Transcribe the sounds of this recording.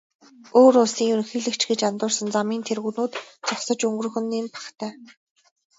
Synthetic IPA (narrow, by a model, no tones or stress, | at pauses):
oːɾʊɮsiːŋɵxiːɮɘ̆kt͡ɕɡet͡ɕant̪ʊːrsə̆nt͡samiːnt̪ʰerɣuːnuːt̪t͡sʰɔwsə̆t͡ɕɵŋɡɵ̆rɵ̆xɘ̆nːiːnpḁχt̪ʰæː